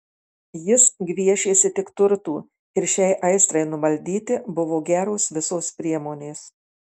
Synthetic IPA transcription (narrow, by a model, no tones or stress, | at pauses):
jɪsɡʲʋʲiɛʃʲeːsʲɪt̪ʲɪkt̪ʊɾt̪uː | ɪɾʃʲɛɪʔɐɪst̪ɾɐɪnʊmɐlʲd̪ʲiːt̪ʲɪbʊʋoːɡʲæːɾoːsʋʲɪsoːspʲɾʲiɛmoːnʲeːs